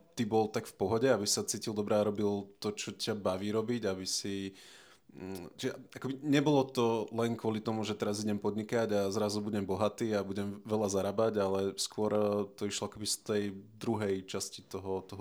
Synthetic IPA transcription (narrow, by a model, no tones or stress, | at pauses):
t̪ibɔlt̪akfpɔɦɔɟɛabi̥sat͡siːcilˠd̪ɔbɾɛaɾɔbilt̪ɔt͡ʃɔcabaʋiːɾɔbiɟabisi | t͡ʃiɛakɔbiɲɛbɔlɔt̪ɔlɛnkʊɔlit̪ɔmuʒɛt̪ɛɾaziɟɛmpɔd̪ɲikaɟazɾazubuɟɛmbɔɦat̪iːabuɟɛmʋɛlazaɾabaɟalɛskʊɔɾt̪ɔiʃlɔakɔbist̪ɛjd̪ɾuɦɛjt͡ʃascit̪ɔɦɔt̪ɔɦɔ